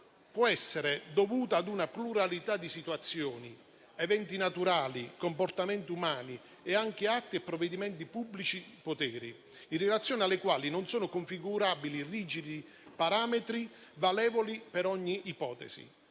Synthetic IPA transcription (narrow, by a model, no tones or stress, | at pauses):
pwɔɛsːeɾed̪ovuːt̪aːd̪unapluɾalit̪ad̪ːisit̪uwat̪sːjɔːni | ɛvɛnt̪inat̪uɾaːlikompɔrt̪amɛnt̪iumaːni | ɛaŋk̟ɪat̪ːiɛpːɾɔvːɛd̪imɛnt̪ipubːlit͡ʃipot̪ɛːɾi | inrɛlat̪sːjoːnialːekwaːlinɔnsoːnʊkoɱfiɡuɾaːbiliriːd͡ʒid̪i | paɾaːmɛt̪ɾi | valɛːvolipɛɾɔɲːiʔːpɔːt̪ɛ̰sḭ